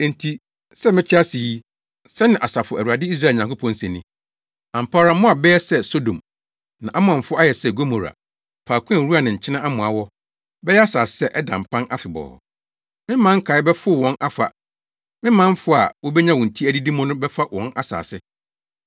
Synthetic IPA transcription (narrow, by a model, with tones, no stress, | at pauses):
n̩˨tʰi˨ | sɛ˦mɪ̃˦t͡ɕʰɪ˦a˦si˨i˦ | sɛ˦nɪ̃˨ʔa˨sa˨fʊ˨æ˨wu˨a˨dɪ˦i˦s̬ɾa˦˨ɲã˨ŋko˦pʰɔ̃˦n̩˦sɛ̃˨nɪ̃˦ | ã˨m̩˨pʰaː˦ɾã˨˦mʊ̃˦a˨bɛ˦ɛ˦sɛ˦so˦dõ˨m | nã˨ʔa˦mʊ̃˨ã˨ɱ˨fʊ˦a˦jɛ˨sɛ˦ɡo˦mo˨ɾa̰˨ | pʰaː˨kʷʊ̃˦æ̃˨˦ɾu˦a˨nɪ̃˨ɲ̩˨t͡ɕʰɪ˦nã˦ʔa˦mʊ̃˨a˨wɔ˦ | bɛ˦jɛ˦a˦saː˨ssɛ˦ʔɛ˦dã̰˨m̩˨pʰã˦nʔa˦fɪ˨bɔ̰ː˨ | mɪ̃˦mã˦ŋ̩˦kʰa˨ɪ˦bɛ˦fʊ˦˨wɔ̃˨nʔa˦fa̰˨ | mɪ̃˦mã˦m̩˦fʊ˦a̰˨wɔ˦bɛ˦ɲã˦˨wɔ̃˨n̩˨tʰi˦æ˦di˦di˦mɔ̃˦nʊ̃˦bɛ˦fa˦wɔ̃˨˦nʔa̰˦sa̰ː˨sɪ˦